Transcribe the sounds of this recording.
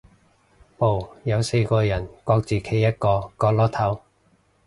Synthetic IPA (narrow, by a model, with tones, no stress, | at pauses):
po˨wjɐ˨˧wse˧jkɔː˧jɐ˨˩nkɔː˧k̚t͡siː˨kʰe˨˥jɐ˥t̚kɔː˧kɔː˧k̚lɔː˥t̪ʰɐ˨˥w